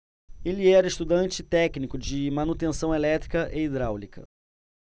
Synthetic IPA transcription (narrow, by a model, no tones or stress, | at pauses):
eliɛɾɐɪʃt̪ud̪ɐ̃nt͡ʃɪt̪ɛknikʊd͡ʒɪmãnut̪ẽsɐ̃w̃elɛt̪ɾikɐʔeid̪ɾawlikʰɐ̰